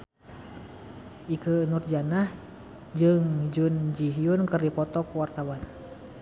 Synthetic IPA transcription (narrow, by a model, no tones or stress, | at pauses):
ʔikənurd͡ʒanah | d͡ʒɨŋd͡ʒund͡ʒiɦiunkərdipɔt̪ɔkwart̪awan